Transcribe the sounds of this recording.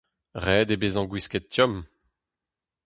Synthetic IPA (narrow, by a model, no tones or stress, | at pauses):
ʁɛːd̪ebezɑ̃ɡwiskɛt̪̚t̪jɔm